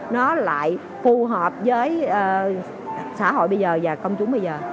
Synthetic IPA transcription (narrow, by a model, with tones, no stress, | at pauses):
nɔ˨˦la̰ː˧˨j | fu˧ɦəː˨˩p̚zəː˨˦jəː˨˩ | saː˧˥˩ɦo̰˧˨jɓə˧jzəː˨˩vaː˨˩kə˧wŋ͡mt͡ɕʊ˨˦ŋ͡mɓə˧jzəː˨˩